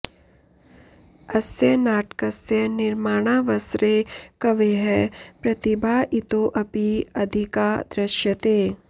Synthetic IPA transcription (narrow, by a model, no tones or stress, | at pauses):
ɐsjɐnaːʈkɐsjɐnɪɾmaːɽ̃aːʋɐsɾekɐʋeɦɛːpɾɐt̪ibʱaːʔɪt̪oːʔɐpiɐd̪ʱikaːd̪ɾɐʃjɐt̪eː